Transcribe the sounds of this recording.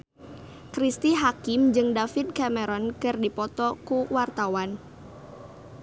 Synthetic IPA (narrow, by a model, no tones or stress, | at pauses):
kɾist̪iɦakɪmd͡ʒɨŋdafit̪̚kamɛɾɔnkɨrdipɔt̪ɔkuwart̪awan